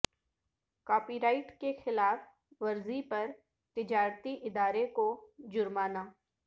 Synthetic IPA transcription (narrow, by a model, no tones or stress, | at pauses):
kaːpiːɾaːɪʈkexɪlaːf | ʋɐɾzipɐɾ | t̪ɪd͡ʒaːɾt̪iʔɪd̪aːɾekod͡ʒʊɾmaːnaː